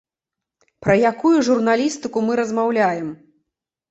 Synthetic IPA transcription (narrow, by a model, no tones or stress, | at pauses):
pɾɐjakujuʐurnalʲist̪ɨkumɨɾɐzmawlʲajɛm